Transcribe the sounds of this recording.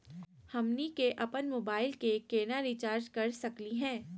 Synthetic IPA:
hɐmnikeʔɐpənmoːbaːɪlkekeːnaɾit͡ʃaːɾd͡ʒkɐɾsɐkliɦɛ̃ː

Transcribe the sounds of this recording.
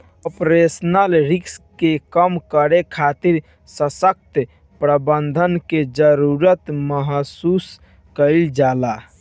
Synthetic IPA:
əpɾesnəlɾikskekəmkəɾekʰat̪iɾ | səsək̚t̪ | pɾəbənd̪ʱənked͡ʒəɾuɾət̪məɦsus | kəɪld͡ʒala

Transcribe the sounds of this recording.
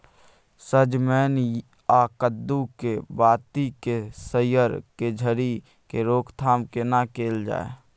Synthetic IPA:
səd͡ʒmɛːn | aːkəd̪ːukebaːt̪ikesəjəɾked͡ʒʱəɾi | keɾoːkʰt̪ʰaːmkenakeːld͡ʒa̰ːḛ

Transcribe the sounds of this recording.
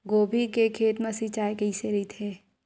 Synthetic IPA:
ɡoːbʱikekʰeːt̪mesit͡ʃaːjkɐiseɾit̪ʰeː

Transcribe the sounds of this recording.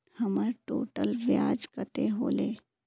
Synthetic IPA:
həmaɾʈo̰ːʈəlʋjad͡ʒkət̪eɦo̰ːle

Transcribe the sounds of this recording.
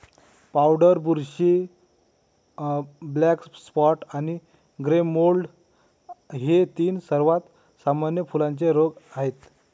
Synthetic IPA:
pawɖəɾbuɾɕi | blɛkspɔʈañi | ɡɾemolɖ | ɦet̪iːnsəɾʋat̪ | samanjəfulãnt͡seɾoɡaɦet̪

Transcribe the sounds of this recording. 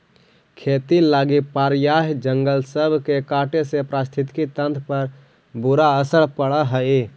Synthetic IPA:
kʰet̪ilaːɡipaɾjaɦd͡ʒəŋɡəlsəbʱkekaʈesepɾast̪ʰit̪kit̪ə̃nt̪ʰpəɾ | buɾaəsəɭpəɽəɦə

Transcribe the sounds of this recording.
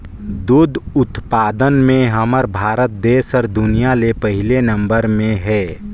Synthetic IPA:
d̪ud̪ʱʊt̪paːd̪ənmẽɦəməɾbʱaːɾət̪̚d̪eːsɔɾd̪ʊnijalepəɦɪlenə̃mbəɾmẽɦɛː

